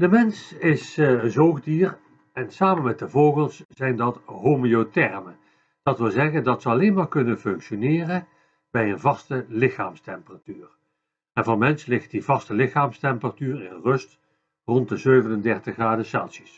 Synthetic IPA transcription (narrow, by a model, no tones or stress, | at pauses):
dəmɛnsɪszoːxdiːr | ɛnsaːmənmɛt̚dəvoːɣəlˠsz̥ɛjndɑtɦomiotɛrmən | d̥ɑtʋɪlˠzɛɣəndɑtsəɑlejnmaːɹkɵnənfɵŋkʃonɪːrə | bɛjənvɑstəlɪxa̰ːmstɛmpəraːtyːr | ɛnvɑnmɛnslɪxt̚divɑstəlɪxaːmstɛmpəratyːrɪnrɵst | rɔntdəzøɥvənəndɛɹtəxraːdəsa̰ːsi̥s